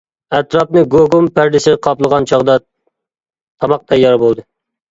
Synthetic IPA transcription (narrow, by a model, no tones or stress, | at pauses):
æt̪ɾɑpnɨɡoɡompæɾd̪ɪsɪqʰɑplˠəʁɑnt͡ʃʰɑʁd̪ɑ | t̪ʰɑmɑq̚d̪ɛjɑɾbolˠd̪ɨ